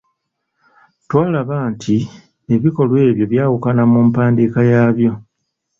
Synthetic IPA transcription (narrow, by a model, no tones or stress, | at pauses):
twaːlaβaːntʰi | e̞βiko̞lwe̞ːβjo̞βjaːwukanamumpaːndikajaːβjo̞